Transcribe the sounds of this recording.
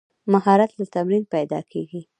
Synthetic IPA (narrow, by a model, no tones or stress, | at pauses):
maɦɑɾat̪lat̪amɾinpajd̪ɑ̰kʰeɡi